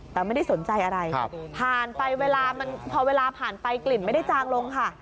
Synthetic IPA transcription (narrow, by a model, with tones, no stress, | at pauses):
t̪ɛː˨˩ma˥˩jda˥˩jso˩˦nt͡ɕa˧jʔa˧ɾa˧jpʰaː˨˩npa˧jweː˧laː˧ma˧npʰɔː˧weː˧laː˧pʰaː˨˩npa˧jkli˨˩ma˥˩jda˥˩jt͡ɕaː˧ŋlo˧ŋkʰa˥˩